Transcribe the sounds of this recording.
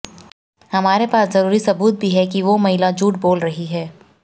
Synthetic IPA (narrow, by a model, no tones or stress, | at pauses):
hɐmaːɾepaːszɐɾuːɾisɐbuːt̪̚bʱiɦɛkiʋomɐɦɪlad͡ʒuːʈ̚boːlɾɐɦiɦɛː